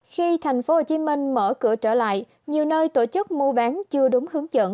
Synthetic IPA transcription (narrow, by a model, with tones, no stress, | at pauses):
xi˧t̪ʰa˨˩jŋ̟fo˨˦ho˧˩t͡ɕi˨˦mï˧ŋ̟məː˧˩kɨ̰˧˩ət͡ɕəː˧˩la̰ː˧˨j | ɲi˨˩əwnəː˧jt̪o˧˩t͡ɕɨ˦˥k̚mu˧əɓaː˨˦nt͡ɕɨ˧əɗʊ˨˦ŋ͡mhɨ˨˦əŋzə̰ː˧˨n